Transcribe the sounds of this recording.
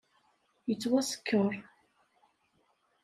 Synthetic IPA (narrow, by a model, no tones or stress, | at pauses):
jət͡sːwæsə̥kʰːəɾ